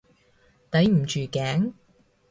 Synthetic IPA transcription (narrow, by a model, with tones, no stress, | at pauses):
t̪ɐ˨˥jm̩˨˩t͡ʃyː˨kɛː˨˥ŋ